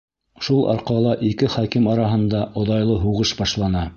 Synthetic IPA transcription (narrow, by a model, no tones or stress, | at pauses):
ʃulˠʔɑ̰ɾqɑlˠɑʔikɘχækimɑɾɑɦɤ̆nd̪ɑʔŏðɑjlˠɤɦuʁɤʃbɑʃlˠɑnɑ